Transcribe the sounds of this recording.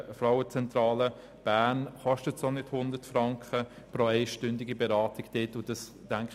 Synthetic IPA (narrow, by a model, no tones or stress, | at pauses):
fɾaʊət͡sɛntɾɑːlə | b̥æːnχɔʃtətsonɪthʊndətfɾɑŋkχə | pɾɔɛɪʃtʏndiɡibeɾɑːtɪɡd̥etʊd̥ɑsd̥æŋk